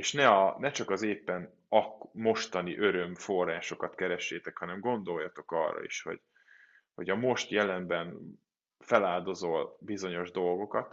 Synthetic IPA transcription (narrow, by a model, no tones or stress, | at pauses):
eːʃnɛɒnɛt͡ʃɒkɒzeːpːɛn | ɒkmo̞ʃt̪ɒniʔø̞ɾø̞mfo̞rːaːʃo̞kɒt̪kɛɾɛʃːeːt̪ɛkhɒnɛmɡo̞nd̪o̞jːɒt̪o̞kɒ̰rːɒ̰ḭʃho̞̰ɟ̥ | ho̞ɟɒmo̞ʃt̪jɛlɛmbɛn | fɛlaːld̪o̞zo̞lbizo̞ɲo̞ʒd̪o̞lɡo̞kɒt̪